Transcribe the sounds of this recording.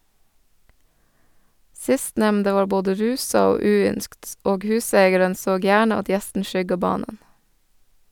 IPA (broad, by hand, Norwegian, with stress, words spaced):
ˈsɪstnɛmndə ˈʋɑː ˈboːdə ˈɾʉːsɑ ˈoː ˈʉːˌʏnskt ˈoːɡ ˈhʉːseɪɡɛɾən ˈsoːɡ ˈjæːɳə ˈɑt ˈjɛstn̩ ˈʃʏɡɑ ˈbɑːnən